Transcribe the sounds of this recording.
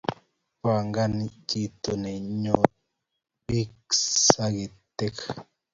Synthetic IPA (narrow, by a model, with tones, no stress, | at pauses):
pa˨ŋɡa˦nd͡ʒi˦t̪o˨ne˨ɲo˨ | bi˦ksa˦ɡi˨t̪e˦k